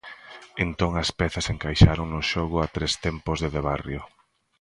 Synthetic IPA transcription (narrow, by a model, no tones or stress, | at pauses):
ent̪oŋɐspɛθɐseŋkajʃaɾoŋnʊʃɔɣʊat̪ɾest̪ɛmpʊzðeðeβ̞arjo